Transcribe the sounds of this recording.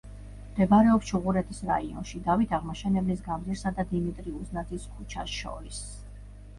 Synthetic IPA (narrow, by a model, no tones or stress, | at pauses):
md̪̥ɛbaɾɛɔpsʃʰuʁuɾɛt̪ʰisɾa̰iɔ̰nʃid̪avit̪ʰaʁmaʃɛnɛblisɡamɾiɾsad̪ad̪imit̪ʼɾiuznad̪ziskʰut͡ʃʰa̰sʃɔ̰ɾis